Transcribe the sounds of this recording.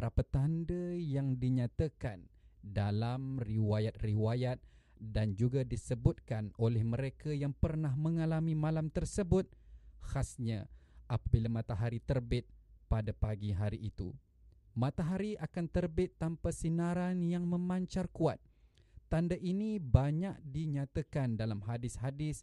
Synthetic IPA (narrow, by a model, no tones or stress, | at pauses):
ɾapat̪andəjaŋdiɲat̪akandalamriwajat̪̚riwajat̪̚ | dand͡ʒuɡadisəbʊt̪̚kanolɛhməɾekajaŋpərnahmə̃ŋalamĩmãlamt̪ərsəbʊt̪̚hasɲaʔapabilamat̪aɦaɾit̪ərbɪt̪̚padapaɡiɦaɾiʔːt̪ṵ | mat̪aɦaɾiakant̪ərbɪt̪ːampasinaɾanjaŋmə̃maɲt͡ʃarkuat̪̚ː | andaʔinibaɲak̚diɲat̪akandalamɦadɪshadɪs